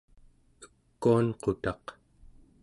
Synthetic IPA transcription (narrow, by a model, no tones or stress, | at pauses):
ə̥kːuanqo̞t̪ɑq